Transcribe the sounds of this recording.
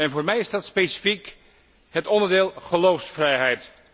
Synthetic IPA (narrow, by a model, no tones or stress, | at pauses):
ɛnvʊːɹmɛjɪzdɑtspejsi̥fik | ɦətɔndəɹdɪːlˠχəlowfsfrɛjɦɛjt